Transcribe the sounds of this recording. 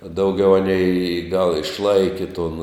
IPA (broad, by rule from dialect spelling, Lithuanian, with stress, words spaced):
dɐʊˈɡʲɛʊ ˈɑːnʲɛɪ iː ɡɐlˠ ɪʃˈlˠɐɪkʲɪ toːn